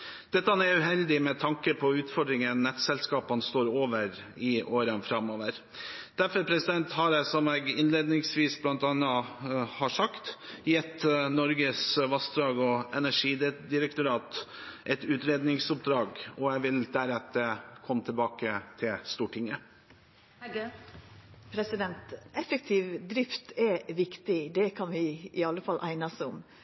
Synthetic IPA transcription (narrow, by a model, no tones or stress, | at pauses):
d̪̥ɛt̪ːəhɑnɛʉɦɛld̪ɪmɛt̪ʰɑŋkəpʰɔʉːt̪fɔɖɾɪŋənːɛt̪sɛlskɑːpɑnst̪oːɾoːʋəɾ | ɪʔoːɾənfɾɑmoːʋəɾ | d̪̥æɾfɔɾpʰɾɛsɪd̪ɛnt̪hɑɾɛsɔmɛɡɪnleːd̪nɪŋsʋiːsblɑnt̪ɑnːəhɑʂɑkt̪jɛt̪ːnɔɾɡəsʋɑst̪d̪ɾɑːɡɔɛnæʂiːd̪ɪɾəkt̪ʊɾɑːt̪ʔɛt̪ʉːt̪ɾeːd̪nɪŋsʊp̚d̪ɾɑːɡɔæʋɪld̪̥æɾɛt̪ːəkʰɔmt̪ʰɪlbɑːkət̪ʰɪlst̪uːʈʰɪŋːə | pʰɾɛsɪd̪ɛnt̪ɛfɛk̚t̪ʰɪʋd̪ɾɪft̪ɛʋɪkt̪ɪd̪ɛkʰɑnʋɪɪɑlːəfɑlʔæɪnɑsʊm